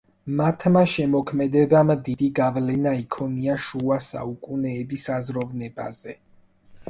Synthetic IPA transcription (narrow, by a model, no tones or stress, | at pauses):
mat̪ʰmaʃɛmɔkʰmɛd̪ɛbamd̪id̪̥iɡavlɛnaikʰɔniaʃuasa̰ukʼunɛːbisazɾɔvnɛba̰z̥ɛ